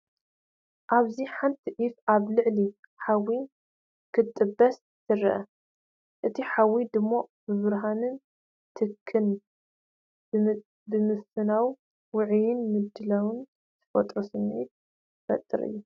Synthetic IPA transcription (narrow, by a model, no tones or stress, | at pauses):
ʔaβziħant̪ʰiʔifaβlɨʕli | ħawi | kʰɨt̪ʼːɨbɐs | t̪ʰɨɾɐ̰ʔɐ̰ | ʔɨt̪ʰiħawid̪ɨmːobɨβɨɾɦanɨn | t̪ʰɨkʰːɨn | bɨmɨsɨnaw | wʊʕjɪnmɨd̪ːɨlawɨn | t̪ʰɨ̥fɐt̪ʼɾosɨmit̪̚ | fɐ̰t̪ʼːɨ̰ɾɨ̰jːu